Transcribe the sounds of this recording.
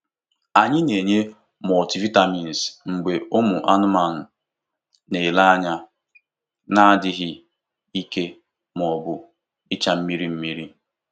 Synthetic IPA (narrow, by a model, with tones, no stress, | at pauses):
a˨ɲɪ˦ne˨ɲe˦ | m˨ɔ˨ti˨vi˦ta˨mi˨n̩˨sŋ͡m̩˨ɡ͡be˨o˦mʊ˨ʔa˦nʊ˦ma˨n̩˨ | ne˨la˦a˦ɲa˦ | na˦dɪ˦ɦɪ˦ | i˦ke˦ | m˨ɔ˨bʊ˨ | ɪ˦t͡ʃa˦m̩˦mi˦ɾi˦m̩˦mi˦ɾi˦